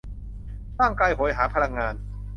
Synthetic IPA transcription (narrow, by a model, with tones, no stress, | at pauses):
ɾaː˥˩ŋkaː˧jɦo˩˦jɦaː˩˦pʰa˧la˧ŋːaː˧n